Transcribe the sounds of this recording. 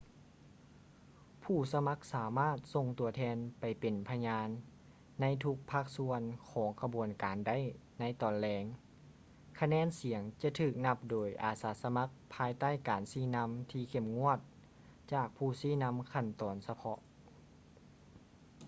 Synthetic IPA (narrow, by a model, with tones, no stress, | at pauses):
pʰuː˧˩sa˧ma˧˥k̚saː˨˦maː˥˩t̪̚so˧ŋt̪u˨˩ɐt̪ʰɛː˧˥npa˨˩jpe˨˩npʰa˧ɲaː˧˥nː | a˧˥jt̪ʰu˧˥k̚pʰaː˧˩k̚su˧ənkʰɔː˨˦ŋkʰa˧bu˨˩ənkaː˨nda˥˨jna˧˥jt̪ɔː˨˩nlɛː˧ŋ | kʰa˧nɛː˧˥˨nsi˨˩˦əŋt͡ɕa˧t̪ʰɯː˧˩k̚na˧˥p̚doː˨˩jʔa̰ː˨˩saː˨˦sa˧ma˧˥k̚pʰaː˧˥jt̪aː˥˩˨jkaː˨˩nsiː˧˥˩na˧˥mt̪ʰiː˧˩kʰe˧˩mŋu˧˥˨ət̪̚ | t͡ɕaː˧˩k̚pʰuː˧˩siː˧˥˨na˧˥mkʰa˧˩˨nt̪ɔː˨˩nsa˧pʰɔ˧ʔ